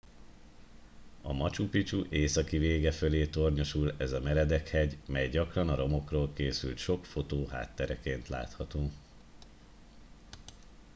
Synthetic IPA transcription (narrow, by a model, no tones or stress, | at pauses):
ɒmɒt͡ʃupit͡ʃuʔeːsɒkiveːɡɛføleːt̪o̞rɲo̞ʃulɛzɒmɛɾɛd̪ɛkhɛɟmɛjɟɒkrɒnɒɾo̞mo̞kroːlkeːsylt̪ʃo̞kfo̞t̪oːɦa̰ːt̪ːɛɾɛkeːnt̪la̰ːt̪hɒt̪oː